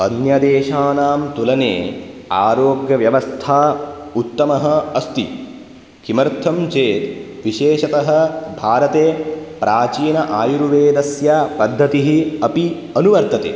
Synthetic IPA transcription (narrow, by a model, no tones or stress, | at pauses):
ɐnjɐd̪eːʃaːnaːmt̪ulɐneːa̰ːɾoːɡjɐʋjɐʋɐst̪ʰaːut̪ːɐmɐɦɐ̆ɐst̪i | kimɐɾt̪ʰɐmt͡ʃeːt̪ʋiʃeːʃɐt̪ɐɦɐ̆bʱaːɾɐt̪eːpɾʔaːt͡ʃiːnɐʔaːjuɾuʋeːd̪ɐsjapɐd̪ʱːɐt̪iɦiɐpi | ɐnuʋɐɾt̪ɐt̪ḛː